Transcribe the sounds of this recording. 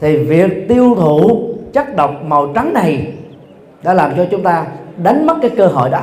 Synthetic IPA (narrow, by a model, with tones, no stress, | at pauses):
t̪ʰi˨˩vi˨˩ək̚t̪i˧əwt̪ʰu˧˨t͡ɕa˦˥t̚ɗə˨˩wk͡p̚ma˨˩wt͡ɕa˨˦ŋna˨˩j | ɗa̰ː˧˥laː˨˩mt͡ɕɔ˧t͡ɕʊ˨˦ŋ͡mt̪aː˧ɗa˨˦ŋ̟mə˦˥t̚kaː˨˦jkəː˧ɦɔ̰˧˨jɗɔ̰˧˦